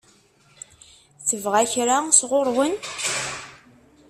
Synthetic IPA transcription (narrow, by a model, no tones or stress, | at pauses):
θəvʁæçɾasʁʊɾˤwən